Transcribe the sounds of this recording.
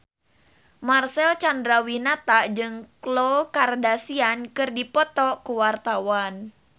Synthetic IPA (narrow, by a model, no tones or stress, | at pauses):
marsɛlt͡ʃandɾawinat̪aʔd͡ʒɨŋklokardasiankɨrdipɔt̪ɔkuwart̪awan